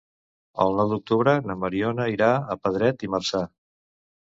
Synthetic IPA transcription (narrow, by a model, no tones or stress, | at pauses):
ə̰lˠnɔwd̪uk̚t̪uβɾənəməɾiɔnəiɾaəpəðɾɛt̪imərsa